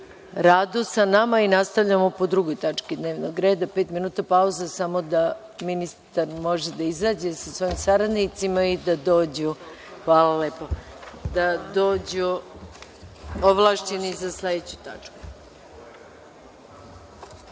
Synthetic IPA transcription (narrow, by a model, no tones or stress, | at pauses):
ɾaːd̪usanamainast̪aʋʎamo̞po̞d̪ɾuɡo̞jt̪at͡ʃkid̪ne̞ːʋnoɡɾe̞ːd̪ape̞ːt̪minuːt̪apauzasamo̞d̪a | minist̪aɾmo̞ʒed̪aizaːd͡ʑe̞sasʋo̞jimsaɾad̪nit̪simaid̪ad̪o̞ːd͡ʑu | xʋaːlalepo | d̪ad̪o̞ːd͡ʑu | oʋlˠaʃt͡ɕenizasled̪et͡ɕut̪a̰t͡ʃku̥